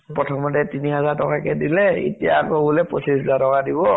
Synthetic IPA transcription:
pɹɔtʰɔmɔtɛtiniɦazaɹtɔkakɛdilɛḭtija̰kɔbulɛpɔsʰiszatɔkadibɔ

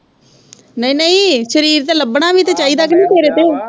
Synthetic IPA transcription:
nəĩːnəĩːʃəɾiːɾt̪eːləbɳaːʋiːt̪eːt͡ʃaːiːd̪aːknĩːk̪eːɾeːt̪eː

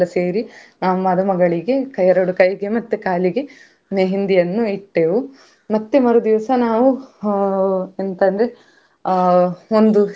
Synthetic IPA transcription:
ɐseːɾinaːʋumɐd̪ɐmɐɡɐɭiɡe̞kɐjɐɾɐɽukɐjɡe̞mɐt̪ːekaːliɡe̞ | neɦind̪ijɐnːuiʈːeːʋu | mɐt̪ːemɐɾud̪iʋɐsɐnaːʋu | ent̪ɐnd̪ɾe | ond̪u

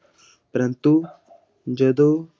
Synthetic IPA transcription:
pɐɾɐnt̪u | d͡ʒɐd̪o

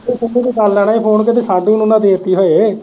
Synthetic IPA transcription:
ʊiːd̪iːkalːɛːɽaːiːpʰoːnk̬et̪̬eːsaːɖĩːnʊnãːd̪eːt̪iːɦoːeː

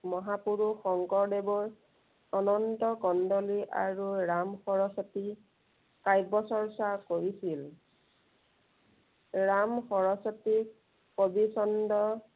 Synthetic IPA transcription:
mɔɦapuɹuxɔŋkɔɹdebɔɹ | ɔnɔntɔkɔndɔliʔa̰ɹuɹamxɔɹɔsɔti | kajbɔsɔɹsakoɹisil | ɹamxɔɹɔsɔti | kobisɔndɔ

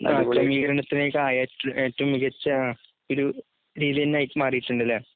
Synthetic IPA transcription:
nakɐmiːɡɐɾɐɳɐt̪ːinejkaːjaːtːeːtːumːiɣɐt͡ɕːɨ | oɾu | ɾiːðiɐnːaːjitːɨmaːrijiʈːuɳɖilːe

